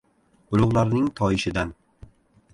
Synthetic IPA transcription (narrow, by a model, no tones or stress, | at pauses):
ʊlˠʊʁlˠaɾnɪŋt̪ʰɒjɪʃɪd̪an